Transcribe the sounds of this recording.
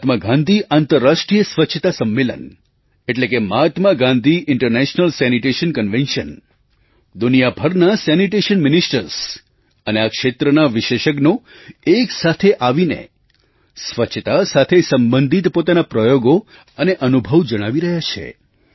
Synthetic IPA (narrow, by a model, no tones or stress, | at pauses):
t̪məɡãnd̪ʱiʔant̪əɾːaʃʈɾijəsʋətːʃʰət̪asəmːelə̰n | eʈlekemat̪maɡãnd̪ʱiʔɪɳʈəɾnɛʃnəlsɛniʈeʃənkənʋẽnʃən | d̪unijabʱəɾnasɛniʈeʃənmɪnisʈəɾs | əneakʃet̪ɾənaʋɪʃeʃək̬no | eksat̪ʰeʔaʋinḛ | sʋət͡ʃʰət̪asat̪ʰesəmbə̃nd̪ʱit̪pot̪anapɾəjoɡo | əneʔənubʱəʋd͡ʒəɽ̃aʋiɾəɦjat͡ʃʰḛ